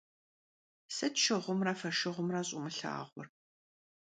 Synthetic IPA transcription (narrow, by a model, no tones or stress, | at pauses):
sɐtʃɪʁʷʊmraːfɐʃɪʁʷʊmraːɕʼʊmɨɬa̰ːʁʷɔ̰r